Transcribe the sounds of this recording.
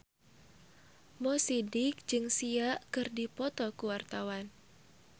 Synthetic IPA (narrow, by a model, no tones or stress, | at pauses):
mɔsidɪk̚d͡ʒɨŋsiaʔkɨrdipɔt̪ɔkuwart̪awan